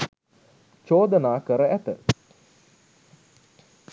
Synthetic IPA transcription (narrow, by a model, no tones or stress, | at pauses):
t͡ʃoːd̪ənaːkəɾəʔæt̪ə